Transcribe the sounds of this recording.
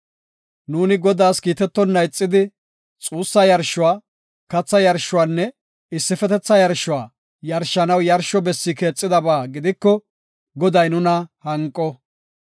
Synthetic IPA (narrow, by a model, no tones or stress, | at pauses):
nuːnɪɡɔd̪aːskiːt̪ɛt̪ːɔnːɐjt͡sʼːɪd̪ɪ | t͡sʼuːsːɐjɐɾʃʊwaː | kɐt͡sːɐjɐɾʃːʊwaːnːɛ | ɪsːɪfɛt̪ɛt͡sːɐjɐɾʃʊwaː | jɐɾʃːɐnɐwjɐɾʃɔbɛsːɪke̞ːt͡sʼːɪd̪ɐbaːɡɪd̪ɪkːɔ | ɡɔd̪ɐjnʊnɐhɐŋkʼːɔ